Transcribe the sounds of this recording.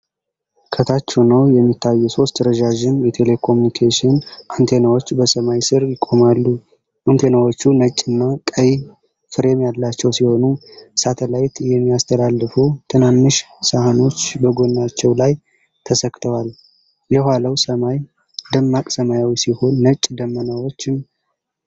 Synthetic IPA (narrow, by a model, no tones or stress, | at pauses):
kʰət̪ʰat͡ʃːunəwjɛmːit̪ʰːajːuso̞st̪ɾəd͡ʒaʒɪnjɛt̪ʰe̞le̞kʰo̞munikʰaʃɪnʔant̪ʰe̞nawot͡ʃːbəsəmajsɨɾjɪkʼo̞malːu | ʔant̪ʰe̞nawo̞t͡ʃːunət͡ʃʼːɨnːakʼəj | fɨɾe̞mjalːat͡ʃːɛwsiho̞nusat̪ʰəlajt̪jɛmːijast̪ʰəlalːɨfut̪ʰɨnanːɨʃ | sahano̞t͡ʃːbəɡo̞nːat͡ʃːɛwlaj | t̪ʰəsəkʼːt̪ʰəwal | jɛhʷaləwsəmaj | d̪əmːakʼsəmajawisiho̞nːət͡ʃʼːd̪əmːənawo̞t͡ʃːɪm